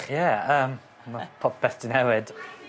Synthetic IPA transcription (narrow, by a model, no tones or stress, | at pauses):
χjɛəːm | mapʰɔpʰɛθdənɛwɪd̥